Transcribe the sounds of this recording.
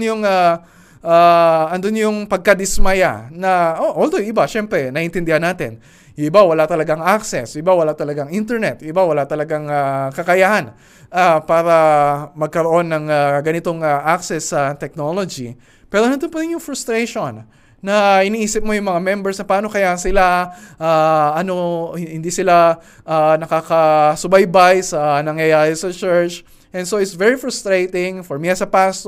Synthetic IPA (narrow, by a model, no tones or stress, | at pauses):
njʊŋa | ʔaʔɐnd̪onjʊŋpɐɡ̚kɐd̪ɪsmɐja̰nɐʔoʔold̪ojʔɪbaʃɛmpɾɛnɐʔɪnt̪ɪnd̪ɪhanaːt̪ɪn | jʊɪbawɐlat̪ɐlɐɡaŋʔaksɛsɪbawɐlat̪ɐlɐɡaŋʔint̪ɛɹnɛt̪̚jʔɪbawɐlat̪ɐlɐɡaŋakɐkɐjahɐn | ʔapaːɾɐmɐɡ̚kɐɾo̞ʔo̞nːɐŋaɡɐnɪt̪oŋaʔaksɛsːɐt̪ɛk̚nolod͡ʒḭ | pɛːɾonɐnd̪opɐɾɪnjʊŋfɾʊst̪ɾejʃonː | ɐɪniʔiːsɪp̚mojʊŋmɐŋamɛmbɛɹsnɐpaːno̞kɐjahɐnsɪlaʔaʔɐno̞hhɪnd̪isɪla | ʔanɐkakɐsʊbajbajsɐnɐŋjɐjaːɾɪsɐt͡ʃɛɹt͡ʃ | ʔɛnsoɪt̪svɛɹifɹʊst̪ɾejt̪ɪŋfoɹmiɐsɐpast̪o